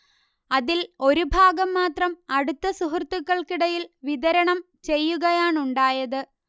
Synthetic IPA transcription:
ɐðilo̞ɾubʱaːɡɐmːaːt̪rɐmɐɽut̪ːɐsuɦɐrt̪ːukːɐɭkiɽɐjilʋiðɐɾɐɳɐm | t͡ɕe̞jːuɣɐjaːɳuɳɖaːjɐðɨ

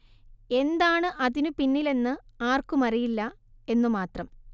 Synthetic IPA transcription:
e̞nd̪aːɳɨʔɐðinupinːile̞nːɨaːrkumɐrijilːɐ | e̞nːumaːt̪rɐm

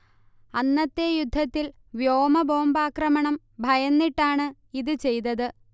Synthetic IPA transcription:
ɐnːɐt̪ːe̞jud̪ʱːɐt̪ːil | ʋjoːmɐbʱo̞ːmbaːkrɐmɐɳɐm | bʱɐjɐnːiʈːaːɳɨ | iðɨt͡ɕe̞jt̪ɐðɨ

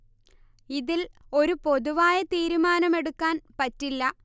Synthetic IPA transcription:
iðilo̞ɾupo̞ðuʋaːjɐt̪iːɾumaːnɐme̞ɽukːaːnpɐtːilːɐ

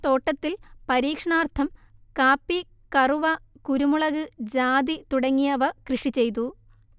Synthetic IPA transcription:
t̪o̞ːʈːɐt̪ːilpɐɾiːkʂɐɳaːrt̪ʰɐmkaːpːi | kɐruʋɐkuɾumuɭɐɣɨd͡ʑaːd̪it̪uɽɐŋːijɐʋɐkrɨʂit͡ɕe̞jt̪u

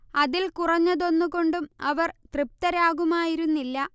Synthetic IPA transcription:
ɐðilkurɐɲːɐðo̞nːuɣo̞ɳɖumɐʋɐrt̪rɨp̚t̪ɐɾaːɣumaːjiɾunːilːɐ

